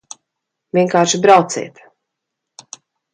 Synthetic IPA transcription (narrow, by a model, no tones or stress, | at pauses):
vʲiɛŋkaːɾʃibɾawt̪sḭːt̪